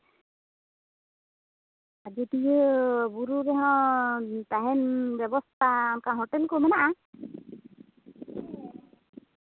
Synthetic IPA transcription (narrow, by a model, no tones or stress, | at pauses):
ad͡ʒetiebuɾubɛɦɔ̃ | t̪aɦɛnbɛbɔst̪ʰankaɦɔʈɛlkɔmɛnaʔa